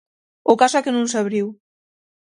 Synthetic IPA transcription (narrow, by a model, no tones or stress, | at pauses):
ʊkasɛkenũŋsaβɾiw